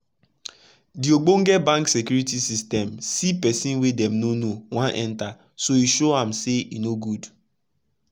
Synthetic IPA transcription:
dioɡ͡boŋ̩ɡɛbãŋksekjuɾitisistɛmsipɛsĩnwedɛmnonowãnʔɛ̰̃nta | soiʃoãmseḭnoɡud

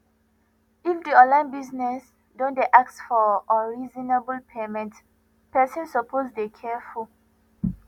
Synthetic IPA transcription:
ifdiɔ̃lãɪ̃nbiznɛs | dɔ̃ndeʔaksfɔɔɹizɔnebəlpʰemɛ̃nt | pɛsɔ̃nsɔpʰozdekʰɛful

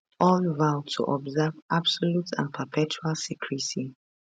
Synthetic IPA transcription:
ʔɔlvaʊtʰṵʔɔbzɛvabsɔlutʰã̰npʰəpʰɛt͡ʃualsikʰɹisi

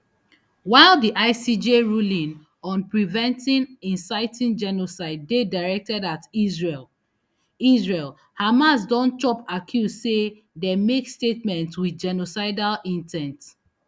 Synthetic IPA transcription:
waɪlˠdiʔaɪsid͡ʒeɹulĩn | ɔ̃npɹivɛ̃ntĩnĩnsaɪtĩnd͡ʒɛnosaɪdːedaɹɛk̚tɛdatizɹel | izɹel | hamas̬dɔ̃nt͡ʃɔpakʰjusse | demekstetmɛ̃ntswidd͡ʒɛnosaɪdalĩntʰɛ̃nt

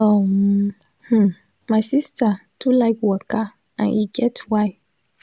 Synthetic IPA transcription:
o | h̩ | maɪsistatʰulaɪkwɔka | ʔã̰nʔiɡɛtʰwaɪ

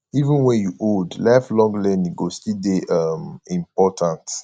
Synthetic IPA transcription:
ivĩnwɛ̃njuʔodlaɪflɔ̃ŋɡlɛ̃niɡostildeʔʌmĩmpɔtʰãnt

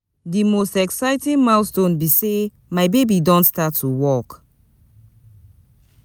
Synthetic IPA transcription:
dimostɛksaɪtĩŋmaʊstõnbise | maɪbebidɔ̃ntstatʰːuwɔk

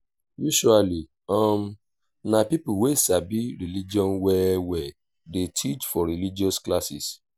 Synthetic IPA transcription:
juʃuali | ɔm | nãpipuwesabiɾilid͡ʒɔ̃nwɛwɛ | detʰit͡ʃfɔɾilid͡ʒiɔsklasis

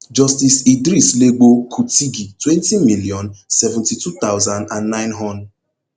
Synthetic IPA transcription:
d͡ʒɔstisidɾisleɡ͡bokʰutiɡitwɛntimiliɔ̃nsɛvɛ̃ntitut̪aʊzãndãnːaɪ̃nɦɔnd

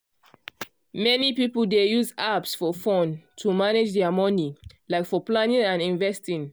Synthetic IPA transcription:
mɛnipipəldejuzapsfɔfɔ̃ntʰumaned͡ʒdɛəmɔnilaɪkfɔplanĩŋãnĩɱvɛstĩŋ

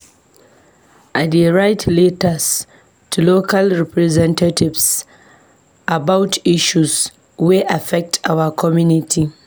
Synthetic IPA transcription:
ʔadeɹajtlitɐs | tuloːkɐlɾɛpɾɛzɛntatɪvs | ʔabawtʰʔɪʃus | wiʔafɛk̚tʰʔawɐkʰɔmjunɪtʰi

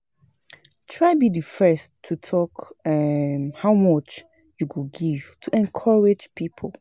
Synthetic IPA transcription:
tʰɹaɪbidifɛstʰːutʰɔk | mhawmɔt͡ʃ | juɡuɡiv̥tʰuʔɛ̃nkʰɔɹed͡ʒpʰipʰɔl

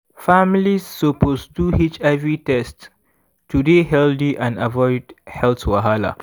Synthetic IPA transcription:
familisːoposduhit͡ʃɛvitɛstː | udeɦɛldiʔãnavɔɪdhɛltwaɦala̰

